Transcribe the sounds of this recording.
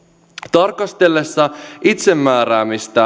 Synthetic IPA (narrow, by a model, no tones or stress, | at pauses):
t̪ɑrkɑst̪e̞lːesːɑit̪se̞mːæːɾæːmist̪æ